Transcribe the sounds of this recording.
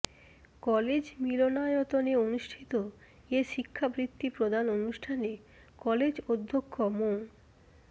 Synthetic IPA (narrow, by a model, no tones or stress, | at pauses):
kɔled͡ʑmilonaot̪oneonuʃʈʰit̪o | eʃikʰːabɾit̪ːipɾod̪ʱanonuʃʈʰane | kɔled͡ʑod̪ʱːokʰːomo